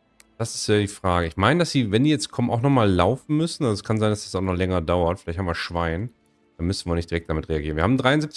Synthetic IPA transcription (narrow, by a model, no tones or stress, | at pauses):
d̥asɪstjaːdiːfʁ̥aːɡəɪçmaɪnədasd̥iːvɛndiːjɛt͡st̚kʰɔmənʔaʊxnɔχmaːlːaʊfn̩mʏsn̩ʔazɛskʰanzaɪndasd̥ḁsaʊxnɔχlɛŋɐdaʊɐtfɪlaɪthamviːɐʃv̥aɪn | d̥anmʏsn̩viːɐnɪçtd̥iʁɛk̚d̥amɪtʁeaɡiːʁnviɐhaːm̩n̩dʁaɪʊnzɪp̚t͡sɪ